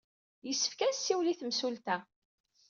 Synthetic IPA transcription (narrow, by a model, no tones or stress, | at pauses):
jəsːə̥fkæsːiwliθəmsult̪æ